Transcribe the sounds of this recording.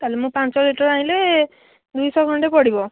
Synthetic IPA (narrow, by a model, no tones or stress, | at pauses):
k̪alemũpãnt͡ʃɔliʈɔɾaɦĩle | d̪ujsɔɡʱɔɳʈepɔɽibɔ